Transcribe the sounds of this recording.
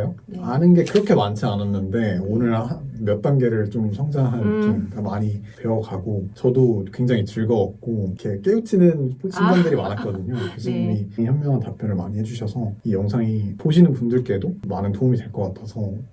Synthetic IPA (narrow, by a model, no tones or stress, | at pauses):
jo | anɯnɡe̞kɯɾʌkʰe̞mant͡ɕʰiananːɯnde̞onɯɭhanmjʌt̚t͈anɡe̞ɾɯɭt͡ɕomsʰʌŋd͡ʑaŋɦant͡ɕ͈ʰiɡamaɲipʰe̞wʌkʰaɡot͡ɕʌdokwe̞ŋd͡ʑaŋit͡ɕɯɭɡʌːp̚k͈oikʰe̞k͈eut͡ɕʰinɯnt͡ɕʰinɡandɯɾima̰nat̚k͈ʌdɯɲokesʰʌimiŋiçjʌmmjʌŋɦantap͈jʌnɯɭmaɲihed͡ʑuɕʰʌsʰʌijʌŋsʰaŋipoɕ̬ʰinɯnpundɯɭk͈e̞domanɯntoumidwe̞ɭk͈ʌk͈atʰʌsʰʌ